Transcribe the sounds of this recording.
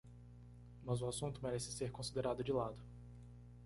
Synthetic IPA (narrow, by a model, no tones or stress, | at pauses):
mɐzʊasũt̪ʊmeɾɛsɪ̥seɾkõsid̪eɾad̪ʊd͡ʒɪlad̪ʊ